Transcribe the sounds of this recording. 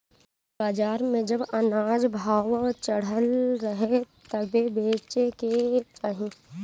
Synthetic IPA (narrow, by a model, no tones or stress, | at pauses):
baːd͡ʒaːɾmẽd͡ʒɐbɐnaːd͡ʒbʱaːwt͡ʃɐɽ̤əlɾɐɦet̪ɐbebeːt͡ʃeket͡ʃaːɦĩ